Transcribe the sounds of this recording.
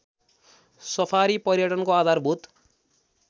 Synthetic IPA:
sʌpʰaɾipʌrjʌʈʌnkoad̪ʱarbʱut̪

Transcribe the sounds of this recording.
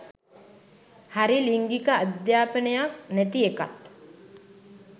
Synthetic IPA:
haɾiliŋɡikəad̪jaːpənəjak̚næt̪ieka̰t̪

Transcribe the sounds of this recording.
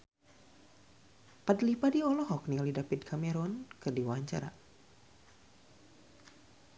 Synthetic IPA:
pat̪lipadiɔlɔɦɔk̚nilidapid̪̚kʰamɛɾɔnkɨrdiwaaɲt͡ʃa̰ɾa̰

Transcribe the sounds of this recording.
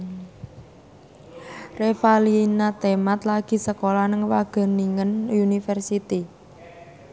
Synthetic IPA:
refalinat̪emat̪laɡ̥i̤səkolanəŋwaɡ̥ə̤niŋənunifɛrsit̪i

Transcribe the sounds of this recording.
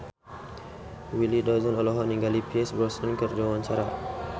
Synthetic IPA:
wilidɔzɔnɔlɔɦɔniŋɡalipiɛsbɾɔsɔnkərd͡ʒawaɲt͡ʃaɾa

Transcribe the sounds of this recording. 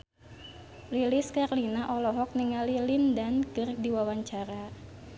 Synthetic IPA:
liliskarlinaʔɔlɔɦɔk̚niŋalilindankɨrdiwawaɲt͡ʃaɾa

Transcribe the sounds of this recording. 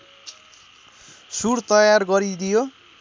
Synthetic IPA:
suɽt̪ʌjarɡʌɾid̪ijo

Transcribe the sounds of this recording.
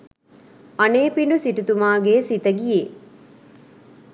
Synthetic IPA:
ɐneːpiɳɖusiʈut̪umaːɡeːsit̪əɡije

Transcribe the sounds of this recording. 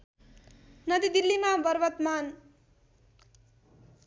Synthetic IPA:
nʌd̪id̪ilːimabʌɾbʌt̪man

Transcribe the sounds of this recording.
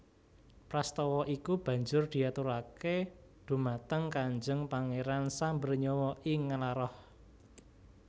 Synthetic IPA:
pɾast̪ɔwɔʔikub̥ä̤ɲd͡ʒʊrd̪̥i̤at̪uɾake | d̪̥ṳmat̪əŋkaɲd͡ʒəŋpaŋeɾansambərɲɔwɔʔɪŋːalaɾɔh

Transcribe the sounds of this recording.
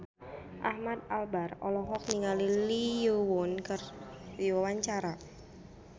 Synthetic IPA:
ʔahmad̪̚albarɔlɔɦɔk̚niŋalilijowɔnkərdiwawaɲt͡ʃaɾa

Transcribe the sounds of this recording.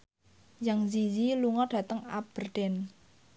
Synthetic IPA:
jaŋziziluŋɔɖ̥ä̤t̪əŋa̰b̥ərɖ̥ɛn

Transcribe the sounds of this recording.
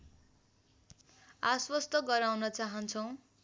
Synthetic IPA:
aswʌst̪ʌɡʌɾawnʌt͡saɦʌnt͡sʰʌw̃

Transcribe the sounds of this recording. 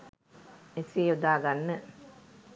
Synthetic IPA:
esijud̪aːɡanːə

